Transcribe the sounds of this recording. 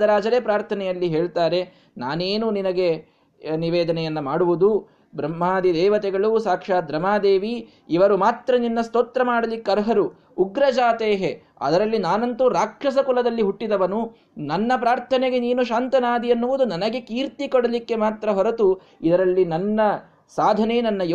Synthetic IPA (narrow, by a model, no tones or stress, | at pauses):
d̪ɐɾaːd͡ʒɐɾeːpɾaːɾt̪ʰɐnɛjɐlːiɦeːɭt̪aːɾe̞ | naːneːnuninɐɡe̞ | niʋɛːd̪ɐnɛjɐnːɐmaːɽuʋud̪u | bɾɐmːaːd̪id̪ɛːʋɐt̪ɛɡɐɭusaːkʂaːd̪ɾɐmaːd̪eːʋiː | ʋɐɾumaːt̪ɾɐninːɐst̪oːt̪ɾɐmaːɽɐlikːɐɾɦɐɾuː | ɡɾɐd͡ʒaːt̪eːɦe | ɐ̰d̪ɐɾɐlːinaːnɐnt̪uɾaːkʃɐsɐkulɐd̪ɐlːiɦuʈːid̪ɐʋɐnu | nɐnːɐpɾaːɾt̪ʰɐneɡe̞niːnuʃaːnt̪ɐnaːd̪ʱiɐnːuʋud̪unɐnɐɡe̞kiːɾt̪ikɔɽɐlikːe̞maːt̪ɾɐɦɔɾɐt̪u | id̪ɐɾɐlːinɐnːɐ | saːd̪ʱɐnenɐnːɐj